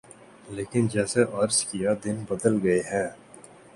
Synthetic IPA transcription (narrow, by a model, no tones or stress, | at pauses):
leːkɪnd͡ʒɛːseʔɐɾskijad̪ɪnbɐd̪əlɡɐeɦɛ̃ː